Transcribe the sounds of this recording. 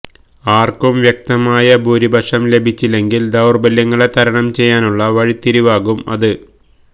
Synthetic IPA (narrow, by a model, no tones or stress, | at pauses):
aːrkumʋjɐk̚t̪ɐmaːjɐbuːɾibʱɐʂɐmle̞bʱit͡ɕːile̞ŋɡild̪ɐwrbɐljɐŋːɐɭet̪ʰɐɾɐɳɐmt͡ɕe̞jːaːnuɭːɐʋɐɻit̪ːiɾiʋaːɣumɐ̰ðɨ